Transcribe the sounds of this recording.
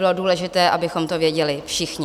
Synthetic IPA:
ɪlo̞duːlɛʒɪt̪ɛːʔabɪxo̞mt̪ovjɛɟɛlɪfʃɪxɲɪ

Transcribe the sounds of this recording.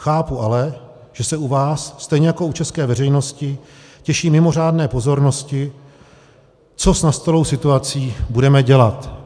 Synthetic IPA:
xaːpuʔalɛ | ʒ̥ɛsɛuvaːsːt̪ɛjɲɛjako̞ut͡ʃɛskɛːvɛrɛjno̞scɪ | cɛʃiːmɪmo̞r̝aːdnɛːpo̞zo̞ɾno̞scɪ | t͡so̞snast̪olo̞wsɪt̪uat͡siːbudɛmɛɟɛlat̪

